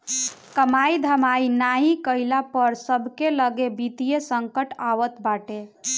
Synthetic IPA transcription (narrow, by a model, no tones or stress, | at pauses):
kəmajid̪ʱəmainaɦikəilapəɾsəbʱkeləɡebit̪ijesəŋkəʈaʋət̪baʈe